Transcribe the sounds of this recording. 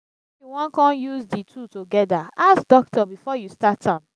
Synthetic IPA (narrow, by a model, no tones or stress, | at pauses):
juwɔ̃nkɔ̃njuzditʰutoɡɛdaasd̥ɔk̚tɔbifɔjustatʰãm